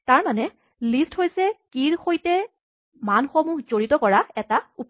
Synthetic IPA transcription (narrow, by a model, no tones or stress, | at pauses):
taɹmanɛ | listhojsɛkiɹxojtɛ | manxomuɦzoɹitɔkɔɹaɛtaup